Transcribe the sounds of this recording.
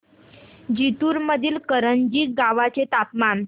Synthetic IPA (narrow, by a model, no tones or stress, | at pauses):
d͡ʑit̪uːɾməd̪ʱiːlkəɾənd͡ʑiːɡaʋat͡set̪apman